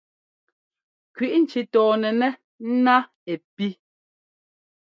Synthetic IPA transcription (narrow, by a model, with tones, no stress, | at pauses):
kɥi˨ʔn̩˨t͡ʃi˦tɔː˨nɛ˨nɛ˦ | n̩˦na˦ | e˨pi˦